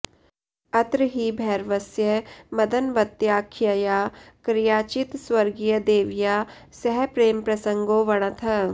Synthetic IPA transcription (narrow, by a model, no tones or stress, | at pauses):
ɐt̪ɾəɦibʱɛːɾʋɐsjəmɐd̪ənʋɐt̪jaːkʰjɐjaːkɾɪjaːt͡ʃɪt̪swɐɾɡijəd̪eːʋjaː | sɛɦɛpɾeːmpɾɐsə̃ŋɡoːʋɐɽ̃ɐt̪ʰɐ